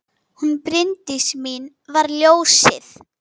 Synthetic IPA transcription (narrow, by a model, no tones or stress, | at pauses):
hunpɾɪnt̪ɪsmin | vaɾljoːwsɪθ